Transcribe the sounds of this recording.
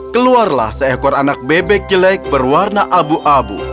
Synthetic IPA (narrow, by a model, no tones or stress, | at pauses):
kəluarla̰hsəɛkɔranak̚bebɛk̚d͡ʒəlaɪk̚bərwarnaʔabuʔabṵ